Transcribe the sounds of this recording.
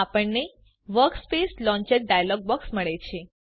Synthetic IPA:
apəɳne | ʋəɾkspeslɔ̃ɲt͡ʃeʈ̚ɖajalɔɡ̚bɔksməɭet͡ʃʰe

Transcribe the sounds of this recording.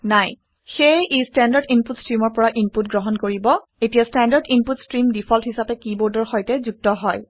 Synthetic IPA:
naj | xejʔistandaɹdinputstɹimɔɹpɔɹaʔinputɡɹɔɦɔnkoɹibɔ | etijastandaɹdinputstɹimdipʰɔlthisapɛkibɔɹdɔɹxɔjtɛzuk̚tɔɦɔj

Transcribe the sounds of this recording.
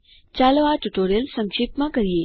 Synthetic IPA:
t͡ɕaːloʋaʈuʈoːɾijəlsə̃ŋʃipmãkɐɾieː

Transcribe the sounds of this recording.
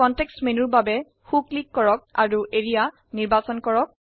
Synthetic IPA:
ɔntɛkstmenuɹbabɛ | xuklikːɔɹɔk̚a̰ɹuʔeɹija | niɹbasɔnkɔɹɔk̚

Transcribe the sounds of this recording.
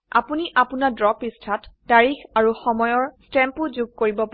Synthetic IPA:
a̰puniʔapunadɹɔpistʰatdaɹixaɹuxɔmɔjɔɹstɛmpuzuɡ̚koɹibɔpa

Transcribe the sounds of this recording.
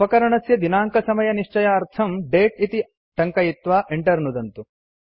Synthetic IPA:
ɐkɐɾɐɳɐsjɐd̪inaːŋkɐsɐmɐjɐniʂt͡ʃɐjaɐɾt̪ʰɐmɖeːʈit̪i | ʈɐŋkɐjit̪ʋaːʔeɳʈɐɾnud̪ɐnt̪u

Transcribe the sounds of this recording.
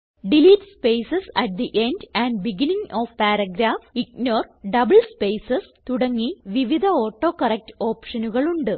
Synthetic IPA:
ɖiliːʈspejsɐsɐʈ̚d̪iʔe̞nɖæːnɖbiɡiniŋoːfpaːɾɐɡɾaːfik̚noːrɖɐbɐɭspejsɐst̪uɽɐŋːiʋiʋid̪ʱɐoːʈːo̞ːkɐrɐk̚to̞ːpʂɐnuɣɐɭuɳɖɨ

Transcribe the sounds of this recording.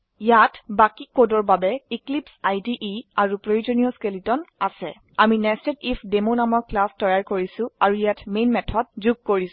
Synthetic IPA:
jatbakikodɔɹbabɛiklipsajdiʔiaɹupɹojuzonijɔskelitɔnasɛ̰ | aminɛstetifʰdemonamɔɹklastɔjaɹkoɹisʊ̃aɹujatmenmɛtʰɔd̚zuɡ̚koɹis

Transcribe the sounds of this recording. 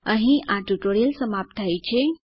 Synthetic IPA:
əɦĩʔãʈuʈoɾijəlsəmap̚t̪ʰajt͡ɕʰe

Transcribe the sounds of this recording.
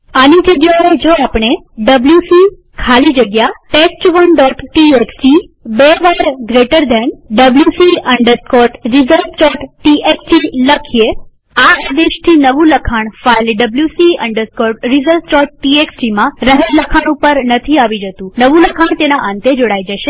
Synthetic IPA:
anid͡ʒəɡjaed͡ʒoapɳ̃e | ɖəbljusi | kʰalid͡ʒəɡjaʈesʈʋənɖɔʈʈiekst͡ʃibeʋaɾɡɾeʈəɾd̪ʱenɖəbljusiəɳɖəɾskɔʈɾizəlft͡ʃɔʈʈiekt͡ʃiləkʰije | ad̪eʃt̪ʰinəʋũləkʰaɳ̃failɖəbljusiə̰ɳɖəɾskɔʈɾizəlft͡ʃɔʈʈieksʈimãɾəɦəɾləkʰaɳ̃upəɾnət̪ʰiaʋid͡ʒət̪ũnəʋũləkʰaɳ̃t̪enaʔãnt̪ed͡ʒoɽajd͡ʒəʃe

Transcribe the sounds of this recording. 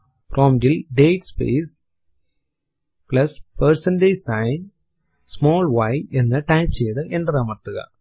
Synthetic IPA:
pɾʔoːmɖilɖeːʈspḛːs | plɐspɐɾsɐnɖesɐɪn | smoːlʋɐjɛnːɐʈɐɪmt͡ɕejðɨʔɛɳɖɐɾaːmɐt̪ːɯɣɐ̰

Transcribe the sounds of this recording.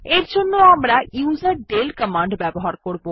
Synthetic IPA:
eɾd͡ʑonːoamɾajuːzaɾɖelkəmaɳɖbɛboɦaɾkoɾbo

